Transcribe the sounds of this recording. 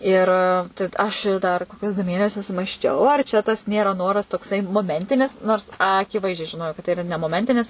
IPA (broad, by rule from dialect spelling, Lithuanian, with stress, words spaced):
ˈɪr tɐɪ t ˈɐʃ ɪ dɐr ˈkoːkʲʊs dʊ ˈmʲeːnʲɛsʲʊs mɐsʲˈt͡ʃʲɛʊ ɐr t͡ʃʲɛ tɐs ˈnʲeːrɐ ˈnoːrɐs toːkˈsɐɪ moːˈmʲɛnʲtʲɪnʲɪs noːrs ˈɑːkʲɪˌʋɐɪzʲd͡ʒʲɛɪ ʒʲɪˈnoːjɛʊ kɐt tɐɪ ɪˈrɐ nʲɛ moːˈmʲɛnʲtʲɪnʲɪs